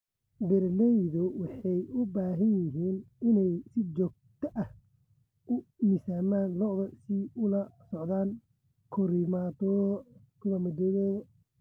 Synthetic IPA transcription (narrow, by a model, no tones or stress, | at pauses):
bɪɾnɛjðʊwɑħɑjʊbaːɦɐnjɪɦiːnɪnɛjsɪt͡ʃɔːɡ̚t̪ʰɐʔɐh | ʊmɪsaːmaːnlɔðɐsiʊlɐsɔʕðaːŋ | kʰɔɾimaːt̪ʰɔ | kʰʊlɐmɐd̪ɛðɛɣ